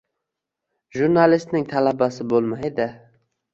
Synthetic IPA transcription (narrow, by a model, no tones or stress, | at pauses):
ʒuɾnalɪst̪nɪŋt̪ʰalabasɪbolˠmajd̪ɪ